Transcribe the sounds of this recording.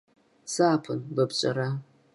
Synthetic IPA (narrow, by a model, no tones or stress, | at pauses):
saːpʰɨnlɨbt͡ʃʷʼa̰ɾa